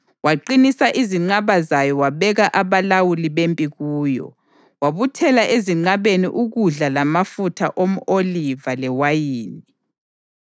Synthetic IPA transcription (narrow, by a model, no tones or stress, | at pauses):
waǃinisaʔiziŋ͡ǀaβazajɔwaβɛɣaʔaβalawuliβempʼiɣuːjɔ̰ | waβutʰɛlaʔeziŋ͡ǀaβenḭʔuɣuɮalamafutʰaʔom̩ʔolivalɛwajiːni